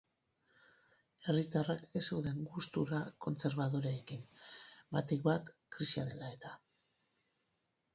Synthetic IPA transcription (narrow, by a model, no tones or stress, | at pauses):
e̞rit̪arake̞seuðe̞ŋɡust̪uɾako̞nt͡se̞ɾβaðoɾeekimbat̪ekbat̪kɾisia̰ðe̞lae̞t̪ḁ